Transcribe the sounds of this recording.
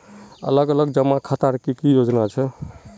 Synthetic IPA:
ə̰ləɡələɡd͡ʒəmakʰat̪aɾkikijod͡ʒnat͡ʃʰɛ

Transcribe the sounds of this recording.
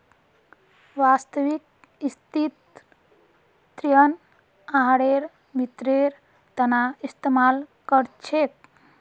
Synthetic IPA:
ʋast̪əʋik̚ | ist̪it̪ | ɾijən | aɦɽeɾ | bit̪ɾeɾ | t̪ənaist̪emalkəɾt͡ʃʰet̪̚

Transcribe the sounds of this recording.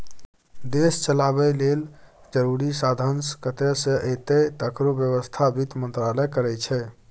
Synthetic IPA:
d̪est͡ʃəlaβɛleld͡ʒəɾuɾisad̪ʱənskət̪esə̃ʔet̪et̪əkɾobjəβəst̪ʰabit̪mənt̪ɾalɛkəɾɛt͡ʃʰɛ

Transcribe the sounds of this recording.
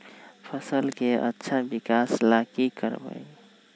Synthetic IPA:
pʰəsəlkeə̰tːʃʰabikaslakikəɾbə̰j

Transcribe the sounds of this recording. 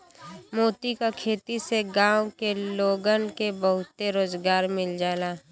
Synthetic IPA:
moːt̪ikakʰeːt̪iseɡãːwkeloːɡənkebəɦʊt̪ːeɾoːzɡaːɾmɪld͡ʒaːlaː

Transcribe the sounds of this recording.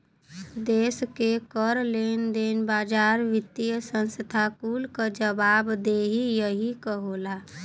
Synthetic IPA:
d̪eskekəɾlend̪enbaːd͡ʒaɾʋɪt̪ːijəsə̃nsəd̪ʱakulkəd͡ʒəbabd̪eɦijəɦikəɦola

